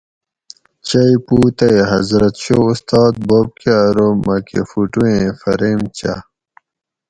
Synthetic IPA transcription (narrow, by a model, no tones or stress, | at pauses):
t͡ɕɐjpuːt̪ɐeɦɐzɾɐt̪ɕoust̪ɑːd̪̚bob̚keɾomɐkḛfuʈuẽfɐɾeːmt͡ɕa̰